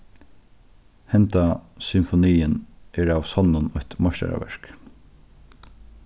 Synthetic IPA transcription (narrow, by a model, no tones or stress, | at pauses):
hɛnt̪asʏmfɔniːɪnɛːɹawsɔnːʊnɔçt̪mɔʃt̪a̰ɾa̰ʋɛ̰ɹ̥k